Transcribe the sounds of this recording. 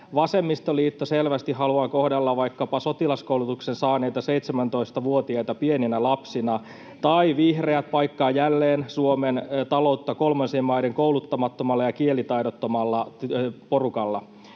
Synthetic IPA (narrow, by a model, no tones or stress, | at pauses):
ʋɑse̞mːist̪oliːt̪ːoselʋæst̪iɦɑluɑːkohdelːɑʋʋɑikːɑpɑso̞t̪ilɑskowlut̪uksensɑːnejt̪ɑse̞jt̪semænt̪o̞ist̪ɑʋuot̪iɑjt̪ɑpieninælɑpsinɑ | t̪ɑiʋihreæt̪̚pɑjkːɑːjælːeːnsuoment̪ɑlo̞ut̪ːɑko̞lmɑnsiemːmɑjdeŋkoulut̪ːɑmɑt̪ːomɑlːɑjɑkielit̪ɑjdot̪ːomɑlːɑpo̞rukɑlːɑ